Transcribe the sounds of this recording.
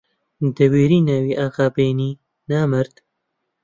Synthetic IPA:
d̪əwiːɾiːnawiʔaːqaːbeːni | naːməɾd̪

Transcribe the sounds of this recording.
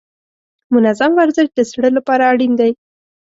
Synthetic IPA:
mʊnazamwaɾzɪʃd̪əsɽəlapɑɾaːɽind̪aj

